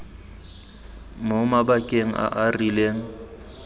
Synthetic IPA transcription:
momabakʼeŋ̩ʔa̰ʔarileːŋ̩

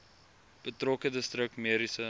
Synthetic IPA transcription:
b̥ətrɔkədəstrək̚tmiəɾisə

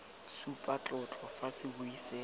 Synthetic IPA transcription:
supʼat͡ɬʼʊt͡ɬʼɔfasɪbʊisɛ

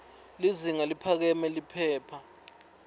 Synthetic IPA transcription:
liziŋalipʰak̬ɛmɛlipʰɛːpʰa

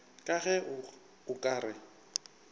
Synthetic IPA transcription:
kʼaɣɛ | ʊkʼaːɾɪ

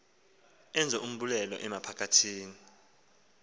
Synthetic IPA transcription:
ɛnd͡zʱɛʔum̩ɓulɛlɔ̰ʔɛmapʰakʰatʰiːni

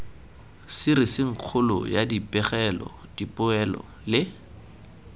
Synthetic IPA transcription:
sɪɾɪsɪŋ̩q͡χʰʊlʊ̰jadipʼɛχɛlɔ̰ | d̥ipʼʊɛlɔ̰ | lɪ

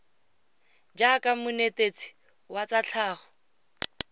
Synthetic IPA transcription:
d͡ʒakʼamʊnetet͡si̥ | wat͡sat͡ɬʰaːχɔ

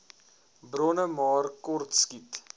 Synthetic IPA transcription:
bɾɔnəmɑːrkɔrtskit

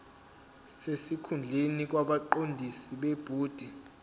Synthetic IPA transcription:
sesikʰund͡ɮʱenik̬ʼwaɓaǃondʱisiɓeb̥ʱuːd̥ʱi

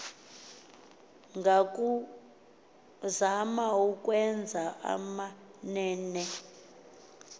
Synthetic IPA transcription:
ŋɡʱakʼu | zamaukʼwɛnd͡zʱaʔa̰manɛːnɛ

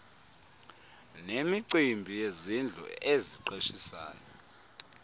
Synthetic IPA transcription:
nemiǀimbʱijezind͡ɮʱɔ̰eziǃeʃisa̰ːjɔ

